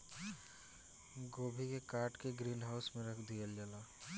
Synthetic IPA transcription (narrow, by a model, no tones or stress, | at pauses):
ɡoːbʱikekaːɾʈkeɡɾiːnɦaːʊsmẽɾɐkʰd̪ijəld͡ʒəlaː